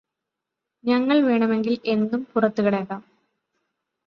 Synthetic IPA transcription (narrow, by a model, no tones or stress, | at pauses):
ɲɐŋːɐɭʋeːɳɐme̞ŋɡile̞nd̪umpurɐt̪ːuɣɐɭeːkːaːm